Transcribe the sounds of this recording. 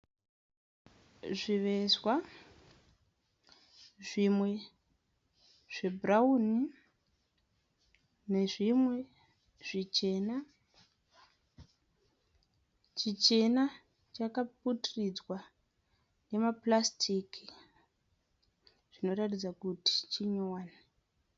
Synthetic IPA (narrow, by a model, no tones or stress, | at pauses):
ʐiʋe̞zwa | ʐimwe̞ | ʐ̥e̞brauni | ne̞ʐimwe̞ | ʐ̥it͡ʃe̞na | t͡ʃit͡ʃe̞na | t͡ʃakap̚utrid͡zwa | ne̞maplastʰikʰi | ʐ̥ino̞ɾatid͡zakuti̥t͡ʃiɲowaːne